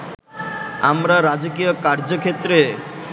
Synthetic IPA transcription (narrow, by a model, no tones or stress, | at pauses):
a̰mɾaɾad͡ʑokijokaɾd͡ʑokʰet̪ːɾe